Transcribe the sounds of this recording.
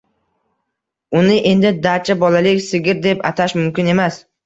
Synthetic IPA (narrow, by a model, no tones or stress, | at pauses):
ʊnɪʔe̞nd̪ɪd̪aɾt͡ʃʰabɒlalɪkʲsɪɡʲɪɾd̪e̞pa̰t̪ʰaʃmʊmkʲɪne̞mas